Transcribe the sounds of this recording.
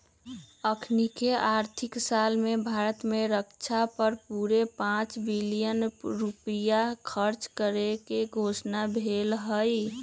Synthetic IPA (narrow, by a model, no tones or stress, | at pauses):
əkʰnikeʔaɾt̪ʰiksalmebʱaːɾət̪meɾəkt͡ʃʰapəɾpuɾepãt͡ʃbilijənɾupijakʰəɾt͡ʃkəɾekeɡʱosnabʱelɦəj